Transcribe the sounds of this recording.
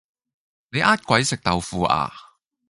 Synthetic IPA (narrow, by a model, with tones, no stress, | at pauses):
ne˨˧jʔaː˥t̚kʷɐ˨˥jsɪ˨k̚t̪ɐ˨wfuː˨˧ʔa̰ː˨˧